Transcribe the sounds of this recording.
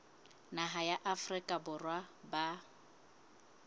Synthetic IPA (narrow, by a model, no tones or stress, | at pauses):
naɦajaʔafrɪkʼabʊrwaba